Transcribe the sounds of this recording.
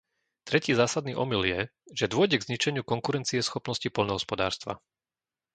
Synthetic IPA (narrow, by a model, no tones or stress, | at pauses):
t̪ɾɛciːzaːsad̪niːʔɔmiljɛʒ̥ɛd̪ʊɔɟɛɡzɲit͡ʃɛɲɪukɔŋkuɾɛnt͡siɛsxɔpnɔscipɔlnɔɦɔspɔd̪a̰ːɾst̪ʋa̰